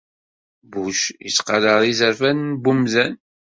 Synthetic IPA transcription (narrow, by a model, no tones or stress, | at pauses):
buʃjə̰sqɑləʁˤizəɾfænːbumzæn